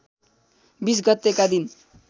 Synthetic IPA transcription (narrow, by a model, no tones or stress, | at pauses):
bis̬ɡʌt̪ːekad̪in